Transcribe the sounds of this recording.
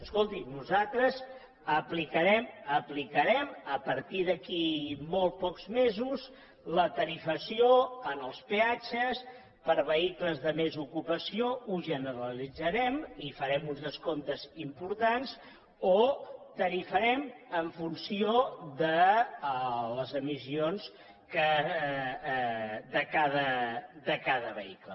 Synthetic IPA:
əskolˠt̪inuzat̪ɾəz | əplikəɾɛməplikəɾɛməpəɾt̪iðəkimolˠtpɔkzmezuz | lət̪əɾifəsioənəlˠspeat͡ʃəs | pəɾβəikləzðəmezukupəsiouʒənəɾəlid͡zəɾɛmifəɾɛmunzðəskont̪əzimpuɾt̪ans | ot̪əɾifəɾɛməɱfunsiod̪ə | ləzəmisions | kə | d̪əkaðəd̪əkaðəβə̰iklə

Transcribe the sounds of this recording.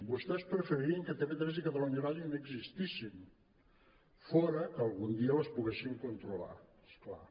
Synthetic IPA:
bust̪ɛspɾfəɾiɾiəŋkət̪emet̪ɾɛzikət̪əluɲəβaʒunoəɡzist̪isin | fɔɾəkəːlˠɣund̪iələspuɣesiŋkunt̪ɾula̰eskla̰

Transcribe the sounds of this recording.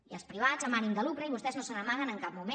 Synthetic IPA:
iə̰lˠspɾiβ̞azəmanimd̪əlukɾəiβ̞ust̪ɛznosənəmaɣ̞ənəŋkap̚mumẽ

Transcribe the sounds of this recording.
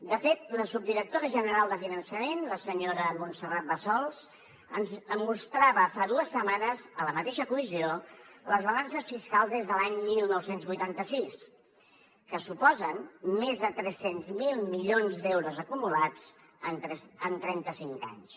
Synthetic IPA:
d̪əfet̪̚ləsub̚d̪iɾək̚t̪oɾəʒənəɾalˠd̪əfinənsəmenləsəɲoɾəmunsərat̪̚bəsɔlˠz | ənzmust̪ɾaβəfaðuəsːəmanəzələmət̪eʃəkumizioləzβəlansəsfiskalˠzezðəlaɲmilˠnɔwsenzβujt̪ant̪əsis | kəsupɔzənmezðət̪ɾɛsenzmilˠmiʎonzd̪ɛwɾuzəkumulad͡z | ənɛsənt̪ɾɛnt̪əsiŋka̰ɲs

